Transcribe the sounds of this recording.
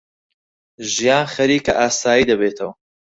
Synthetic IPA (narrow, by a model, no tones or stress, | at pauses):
ʒijaːnχɐɾiːkɐʔaːsaːjiːd̪ɐbeːt̪ʰɐwɐ